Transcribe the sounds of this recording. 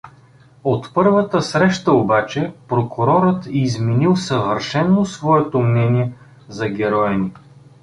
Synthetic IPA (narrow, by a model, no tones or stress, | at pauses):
ot̪pɤɾvət̪əsɾɛʃt̪əobat͡ʃɛpɾokʰʊɾɔɾət̪izminilˠsɐvəɾʃɛnːosvɔɛt̪omnɛniɛ | zɐɡʲɛɾɔjɐni